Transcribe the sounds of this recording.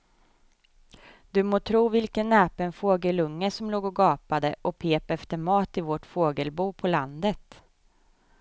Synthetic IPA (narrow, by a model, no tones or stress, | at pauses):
d̪̥ɵmoːt̪ʰɾuːvɪlkənːɛːpɛnfoːɡəlɵŋːəsɔmloːɡɔɡɑːpad̪əʔɔpʰeːpɛft̪əɾmɑːt̪ɪvɔʈfoːɡəlbuːpʰɔland̪ət̪